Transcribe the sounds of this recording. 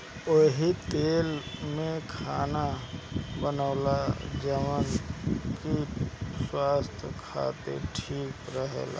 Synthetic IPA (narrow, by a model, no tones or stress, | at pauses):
oɦit̪eːlmẽkʰaːna | bənəːlad͡ʒəmənkiswaːst̪ʰjkʰa̰ːt̪ḛʈʰiːkɾəɦḛla̰